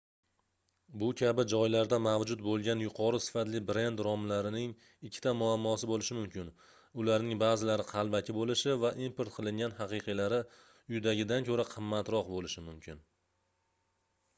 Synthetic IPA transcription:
bʊkʲʰabɪd͡ʒɒjlaɾd̪amavd͡ʒʊt̪̚bolˠɡʲanjʊqʰɒɾɪsɪ̥fat̪lɪbɾe̞nd̪ɾɒmlaɾɪnɪŋ | ɪkʲʰːɪt̪amʊamːɒsɪbolɪʃɪmʊmkʲɪn | ʊlaɾnɪŋbaːzɪlaɾɪqʰɑlˠbakʲʰɪbolɪʃɪvaʔimpʰeɾt̪̚qʰɨlˠɪŋɡʲanɦɑqɨqʰɨjlaɾɪ | ʊjd̪aɡʲɪd̪ankʲʰɵɾaqʰɨmːat̪ɾɒqbolɪʃɪmʊmkʲʰɪn

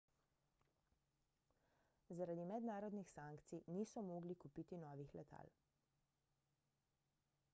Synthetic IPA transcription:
zaɾad̪imɛd̪naːɾɔd̪nixsaːŋkt̪sijniːsɔmoːɡlikupiːt̪inɔːʋixlɛt̪ʰa̰ːl

